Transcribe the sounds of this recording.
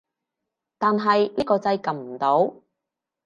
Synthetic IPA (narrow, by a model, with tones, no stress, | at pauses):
t̪aː˨nɦɐ˨jniː˥kɔː˧t͡sɐ˧jkɐ˨mm̩˨˩t̪o˨˥w